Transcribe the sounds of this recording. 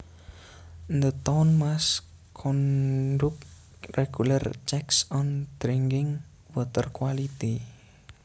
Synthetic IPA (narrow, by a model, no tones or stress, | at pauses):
nd̪ət̪ɔnmas | kʰɔnɖʊk̚ | reɡ̥ulərt͡ʃɛksɔnd̥ɾiŋɡɪŋ | wət̪ərkwalit̪i